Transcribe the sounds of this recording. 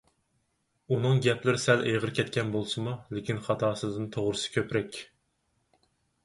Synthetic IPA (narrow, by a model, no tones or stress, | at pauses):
unɨŋɡʲɛplɪɾɪsɛlʔejʁəɾkʲʰɛt̪̚kʲɛnbolˠsɨmulɪkʲinχɑt̪ʰɑːsɨd̪ɨnt̪ʰoʁɾɨsɨ̥kʲʰøpɾɛkʲ